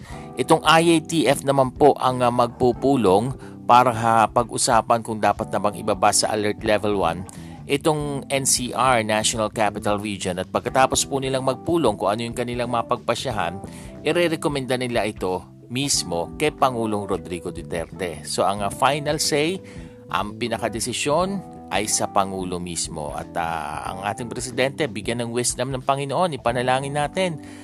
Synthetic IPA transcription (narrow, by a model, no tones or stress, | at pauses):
ʔɪt̪oŋʔajʔejt̪iʔɛfnɐmanpo̞ʔɐŋɐmɐɡ̚pupuːlo̞ŋ | paːɾɐŋɦɐpɐɡʔʊsaːpɐnkʊŋd̪aːpɐt̪̚nɐbaŋɪ̰baːbasɐ̰ʔɐ̰lɛɹt̪lɛvɛlwa̰n | ʔɪt̪o̞ŋʔɛnsiːʔaɹnaʃjonɐlkapɪt̪ɐlɹid͡ʒonɐt̪̚pɐɡ̚kɐt̪aːpo̞spʊnɪlaŋmɐɡ̚puːloŋkʊŋʔɐnojʊŋkɐnɪlaŋmɐŋɐpɐɡ̚pɐʃɐɦa̰nʔɪɾɛɾɛkomɛnd̪anɪlaʔɪt̪o̞ | mismo̞kɐjpɐŋuːlo̞ŋɾod̪ɾiɡod̪ɪt̪ɛ̰ɾt̪ɛso̞ʔɐŋfajnɐlsɛj | ʔɐ̰ŋpinɐkɐd̪ɛsɪʃo̞n | ʔɐ̰jsɐpɐŋuːlo̞mismo̰ʔɐ̰t̪a̰ɐ̰ŋʔa̰ːt̪ɪŋpɾɛsɪd̪ɛnt̪ɛbɪɡjanːɐŋwɪsd̪ɐmnɐŋpɐŋɪnoʔo̞nɪpɐnɐlaːŋɪnːaːt̪ɛn